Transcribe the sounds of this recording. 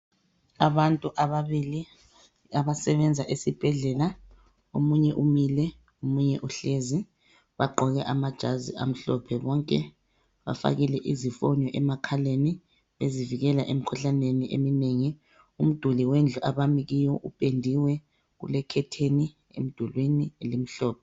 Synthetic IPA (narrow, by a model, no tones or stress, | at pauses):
aβantʼuʔaβaβili | aβasɛβɛnd͡zʱaʔesib̥ʱɛɮɛla | omuɲɛʔumilɛ | omuɲɛʔuɬezi | βaɡ͡ǃʱɔɣɛʔamad̥ʒ̥ʱaziʔa̰m̩ɬɔpʰɛβɔŋkʼɛ | βa̰fa̰ɣilɛʔizifɔ̰nɔʔɛmakʰaleni | βeziviɣɛlaʔem̩kʰuɬaneniʔḛmineŋi | um̩d̥ʱuliwend͡ɮʱuʔaβamiɣijɔʔupʼendʱiwɛ | ɣṵlɛkʰɛtʰeni | ḛm̩d̥ʱulwenilem̩ɬɔːp̚ʰɛ